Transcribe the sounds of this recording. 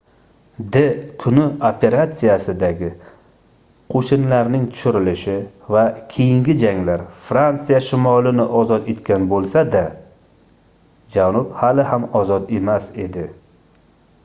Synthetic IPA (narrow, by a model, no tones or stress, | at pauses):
d̪ekʰʊnɪopʰe̞ɾat̪sijasɪd̪aɡʲɪ | qʰoʃɪnlaɾnɪŋt̪ʰʊ̥ʃɪɾɪlɪʃɪ | vakʲʰejɪŋɡʲɪd͡ʒaŋlaɾfɾant̪sijaʃɪmɒlɪnɪʔɒzɒt̪e̞t̪kʲanbolˠsad̪a | d͡ʒanʊphalɪhamɒzɒt̪e̞mase̞d̪ɪ